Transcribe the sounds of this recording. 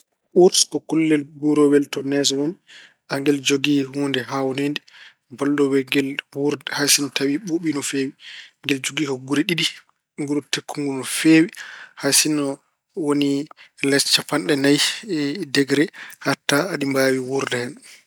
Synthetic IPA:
ʔuɾskɔkulːɛlɡuɾɔwɛltɔnɛs̬ɔwɔn | ʔaŋɡɛld͡ʒoɡihuːndɛɦawɔnendi | bɔldɔwɛɡɛlwuɾdɛhasinɔtawiɓoɓinɔfeːwiŋɡɛld͡ʒoɡihɔɡuɾiɗiɗi | ŋɡuɾutekːuŋɡunɔfewihasinɔ | wonilɛst͡ʃːapanɗɛnajdɛɡɾɛhatːaːɗimbawiwuɾdɛhɛn

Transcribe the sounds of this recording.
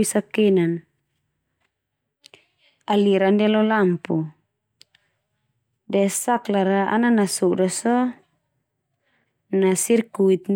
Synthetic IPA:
isakɛnan | aliɾandɛlɔlampu | dɛsaklaɾaa̰nanasɔdasɔ | nasirkuit̪̚n

